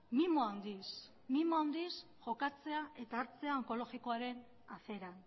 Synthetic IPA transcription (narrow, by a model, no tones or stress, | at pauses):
mimoawnd̪is | mimoawnd̪is | ʝo̞kat͡se̞ae̞t̪aːɾt͡se̞aoŋko̞lo̞ɣiko̞aɾe̞n | a̰θe̞ɾan